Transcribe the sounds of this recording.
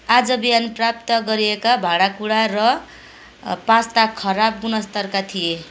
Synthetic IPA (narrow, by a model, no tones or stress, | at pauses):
ad͡zʌbijanprap̚t̪ʌɡʌɾiekabʱaɽakuɽarʌ | pãst̪akʰʌɾab̚ɡunʌst̪ʌrkat̪ʰije